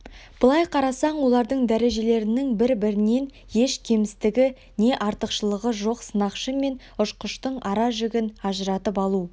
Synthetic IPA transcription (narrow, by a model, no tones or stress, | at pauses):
b̥əlˠɑjqʰɑɾɑsɑɴwo̞lˠɑɾd̪əɴd̪æɾe̞ʒe̞le̞ɾɪnɪŋbɪɾbɪɾɪne̞n | je̞ʃkʲʰe̞mɪst̪ɪɡʲɪ | ne̞ʔɑɾt̪əqʃəlˠəʁəʒo̞qsənɑqʃəme̞n | ʊʃqəʃt̪əɴɑɾɑʒʏɡʲɪnɑʒəɾɑt̪əpɑlˠu